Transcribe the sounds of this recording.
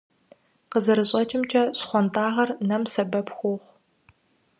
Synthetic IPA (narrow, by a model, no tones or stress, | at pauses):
qəzɐɾɨɕʼɐt͡ʃʼɪmt͡ʃʰʼɐsχʷɔntʰʼaːʁɐrnɐmsɐbɐpxʷʊːχʷ